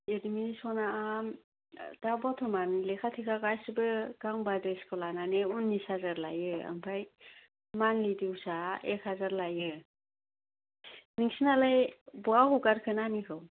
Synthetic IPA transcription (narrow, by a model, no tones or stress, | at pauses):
ediminisɔnaam | dabɔtʰɔmanlekʰatʰikʰaɡajsɯbɯɡaŋbadɯskʰɔlananeunːisazaɾla̰jɯa̰mpʰaj | manlidiusaekʰhazaɾlajɯ | niŋsinalajbuaɦuɡaɾkʰɯnamikʰɯw